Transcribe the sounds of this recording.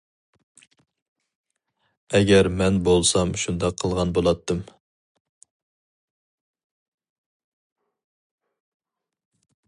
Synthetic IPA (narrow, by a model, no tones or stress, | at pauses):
ɛɡʲɛɾmɛnbolˠsɑmʃund̪ɑqʰːəlˠʁɑnbolˠɑt̪ʰːɨm